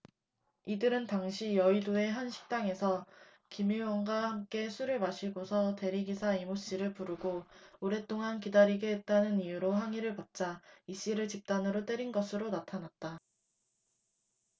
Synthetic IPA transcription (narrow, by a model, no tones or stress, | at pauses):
idɯɾɯntaŋɕʰijʌidoe̞ɦanɕʰi̥k̚t͈aŋe̞sʰʌ | kimiwʌŋɡaɦamk͈e̞sʰuɾɯɭmaɕʰiɡosʰʌte̞ɾiɡisʰaimoɕ͈iɾɯɭpuɾuɡooɾe̞t͈oŋankidaɾiɡeɦet̚t͈anɯnijuɾoɦaŋiɾɯɭpat̚t͡ɕ͈aiɕ͈iɾɯɭt͡ɕip̚t͈anɯɾot͈e̞ɾinɡʌsʰɯɾonatʰanat̚t͈a